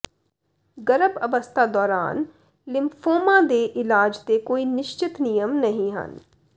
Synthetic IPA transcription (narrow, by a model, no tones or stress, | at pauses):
ɡɐɾəbɐʋəst̪ʰad̪ɔːɾa̰ːn | lɪmfoːmãd̪eʔɪlaːd͡ʒt̪ekoːinɪʃt͡ʃɪt̪nijəmnɐɦĩɦɐ̰n